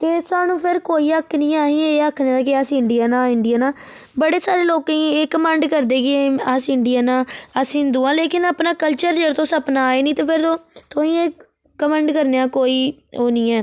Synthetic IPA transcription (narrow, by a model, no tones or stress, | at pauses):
t̪eːsaːnũːpʰɪɾkoːiːəkʰːnĩːaːɦĩːeːaːkʰnẽaːd̪aːkɪaːsĩːɪɳɖɪjaːnãːɪɳɖɪjaːnãː | bəɽeːsaːɾeːloːkãĩːeːkəmɛ̃ːɳɖkəɾd̪eːɡɪeasɪɳɖɪjaːnãːəsĩːnd̪uːãːleːkɪnaːpnaːkəlt͡ʃəɾd͡ʒeːɾt̪õːsəpnaːeːnĩːt̪eːpʰɪɾt̪õːt̪ʰoːĩːeː | kəmɛ̃ːɳɖkəɾneːãːkoːiːoːnĩːɛː